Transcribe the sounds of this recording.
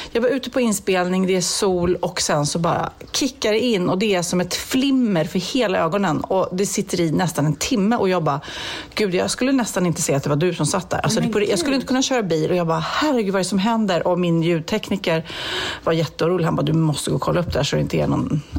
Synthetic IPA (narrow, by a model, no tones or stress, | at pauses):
jɑːɡvaɾʉ̟ːt̪əpʰɔɪnːspeːlnɪŋd̪ɛæsuːlɔksɛnsɔbɑ̰ːɾa̰kʰɪkːaɾɛɪnːɔd̪ɛæʂɔmɛt̪flɪmːəɾfœɾheːlaøːɡɔnənɔd̪ɛsɪt̪ʰːəɾɪnɛst̪anɛnt̪ʰɪmːəʔɔjɑːɡbɑːɡ̥ʉ̟ːd̪jɑːskɵlːənɛst̪anɪnt̪ə̥sɛjːat̪d̪ɛvadɵsɔmsat̪̚ːd̪æ̰ɾa̰lsɔd̪pʰɔjɑːɡskɵlːɪnt̪ə̥kʰɵnːaɕøːɾabiːlʔɔjɑːɡbɑːhæɾɛɡʉ̟dvaɛɾɛsɔmɦɛnd̪əɾʔɔmɪnjʉ̟ːt̪ʰɛknɪkəɾvaɾjɛt̪ːəʊuːɾuːlɪhanbɑːd̪ɵmɔst̪əɡoːkʰɔlːaɵp̚ːd̪ɛæ̰ʂɔɾɛɪnt̪əæ̰nɔ̰n